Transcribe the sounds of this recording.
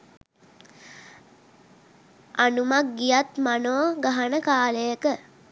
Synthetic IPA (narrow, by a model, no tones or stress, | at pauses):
anumak̚ɡijat̪manoɡaɦanəkaːləjəkə